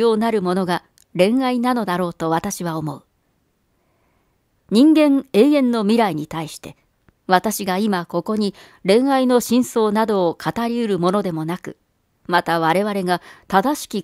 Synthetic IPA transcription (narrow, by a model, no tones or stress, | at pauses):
o̞ːnaɾɯ̟mo̞no̞ɡa | ɾẽ̞ɰ̃ainano̞d̪aɾo̞ːt̪o̞βat̪aɕiβao̞mo̞ɯ | ɲ̟ĩŋɡẽ̞ɴe̞ːẽ̞nːo̞mʲiɾaiɲ̟it̪aiɕi̥t̪e̞ | βat̪aɕiɡaimako̞ko̞ɲ̟i | ɾẽ̞ɰ̃aino̞ɕĩɰ̃so̞ːnad̪o̞ːkʰat̪aɾʲiɯ̟ɾɯ̟mo̞no̞d̪e̞mo̞nakɯ̟̰ | mat̪aβaɾe̞βaɾe̞ɡat̪ad̪aɕi̥kʲi